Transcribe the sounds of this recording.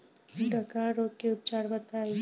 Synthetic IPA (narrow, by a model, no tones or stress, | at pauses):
ɖʱəkaɾoːk̚keʊp̚t͡ʃaːɽbət̪aː